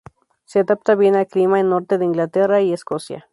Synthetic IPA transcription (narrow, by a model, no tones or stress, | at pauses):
sead̪ap̚t̪aβinaklimaenːoɾt̪eðeiŋɡlat̪eraieskosja̰